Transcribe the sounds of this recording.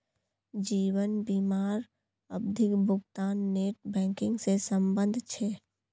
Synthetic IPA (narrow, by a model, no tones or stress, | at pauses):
d͡ʒiːwənbiːmaːɾ | əbd̪ʱɪkbʱʊɡt̪aːnːeːʈbɛ̃ːŋkɪ̃ŋɡsesə̃mbə̃nd̪ʱt͡ʃʰeː